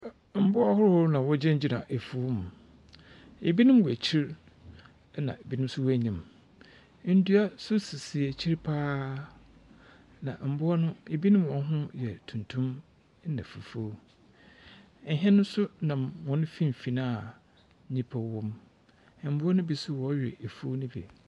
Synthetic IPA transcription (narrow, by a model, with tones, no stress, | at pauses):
m̩˨bʊ˦a˦hʊ˦ɾhʊ˦ɾnã˨wɔ˦d͡ʑɛ̃˦ɲ̩˦d͡ʑi˦˨nã˨ʔe˨fu˨˦m˨ | e˨bi˦nʊ̃˦m˦wɔ˨æ˨t͡ɕʰi˦ɾ | nã̰˨e˨bi˦nʊ̃˦m̩˦sʊ˦wɔ˦æ˦ɲĩ˨m˦ | n̩˦du˦a˦sʊ˦si˨si˨ɛ˨t͡ɕʰi˦ɾpʰaː˦ | nã˨m̩˨bʊ˦ɔ˦nʊ̃˦e˨bi˦nʊ̃˦mwɔ̃˨n˦ɦʊ̃˦jɛ˨tʰũ˨ntʰũ˦m˦ | nã˨fu˨fu˦o˦˨ | ɦɛ̃˦nʊ̃˦n˦sʊ˦nã˨mwɔ̃˨nʊ̃˦fĩ˦m˨fi˨nã˦a˨˦ | ɲĩ˦pʰa˨wɔ̃˦m˨ | m̩˦bʊ˦ɔ˦nʊ̃˦bi˨sʊ˦wɔ˨˦jɪ˨e˨fu˦nʊ̃˦bḭ˨